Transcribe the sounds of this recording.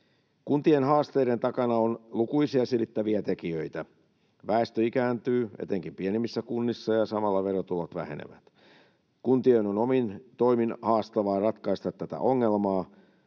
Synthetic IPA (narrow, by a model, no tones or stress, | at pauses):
kunt̪ienɦɑːst̪eiɾent̪ɑkɑnɑonlukuisiɑselit̪ːæʋiæt̪ekiøit̪æ | ʋæest̪øikæːnt̪yːḛt̪eŋkimpienemːisːækunːisːɑjɑsɑmɑlːɑʋerot̪ulot̪ʋæ̰hḛnḛʋæ̰t̪ | kunt̪ienonomint̪oiminhɑːst̪ɑʋɑːrɑt̪kɑist̪ɑt̪ːæt̪æ̰ʔoŋːelmɑː